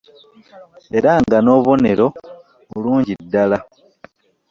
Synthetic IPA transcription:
e̞ɾaŋɡano̞ːβo̞ne̞ɾo̞ | uluːɲɟidːala

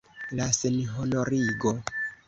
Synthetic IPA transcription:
lasenɦonoɾiɡo̞

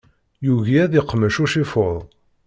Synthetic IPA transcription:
juʝiæðiqːməʃuʃifʊðˤ

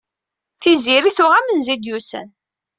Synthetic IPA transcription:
θiziɾiθʊʁæmənzid̪jusæ̰n

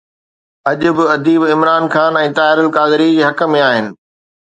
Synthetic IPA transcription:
ɐʄʊ̆bɪɐd̪iːbɪmɾaːnxaːnɛ̃ːt̪aːɪɾəlkaːd̪ɪɾid͡ʑeːɦɐkəmẽaːɦɪnɪ̆

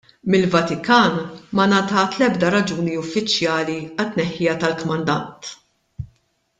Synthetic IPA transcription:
mɪlvɐt̪ɪkɐːnmɐnɐt̪ɐt̪lɛbd̪ɐɾɐd͡ʒuːniʊfːɪt͡ʃjɐːliɐt̪ːnɛħːɪjɐt̪ɐlkɔmɐnd̪ɐnt̪

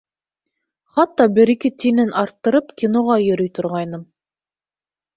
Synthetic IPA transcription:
χɑt̪ːɑbɘ̆ɾikɘt̪inɘnʔɑɾt̪ːɤ̆ɾɤpkʲinoʁɑjɵ̆ɾɵjt̪ŏɾʁɑjnɤm

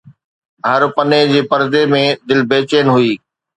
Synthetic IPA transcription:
ɦɐɾpɐned͡ʑeːpɐɾd̪emẽd̪ɪlbeːt͡ɕeənɦʊiː

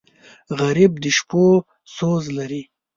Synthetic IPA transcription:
ɣaɾib̚d̪əʃpo | sozlaɾi

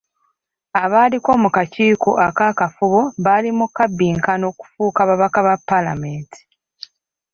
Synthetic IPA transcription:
aβaːliko̞ːmukaciːkoʔakakafuβo̞βalimukabːiːŋkano̞ːku̥fuːkaβaβakaβapːalame̞ːntʰi̥

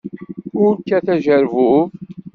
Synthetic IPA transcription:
ʊɾkːæθæʒəɾvu

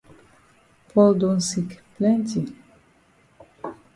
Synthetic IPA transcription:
pɔld̪unsikplɛnti

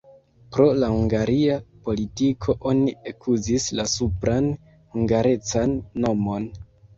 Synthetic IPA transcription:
pɾo̞lahuŋɡaɾiapo̞litikʰo̞ʔo̞niekʰuzislasupɾan | huŋɡaɾe̞t͡sanːo̞mo̞n

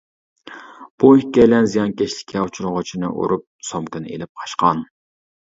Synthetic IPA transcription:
b̥ukʲɛlɛnzijɑnkʲɛʃlɪ̥kʲʰɛut͡ʃʰuɾʁʊt͡ʃʰinɨ̰ʔo̰ɾup̚somkɨnḛlɪp̚qʰɑ̥ʃqʰɑn

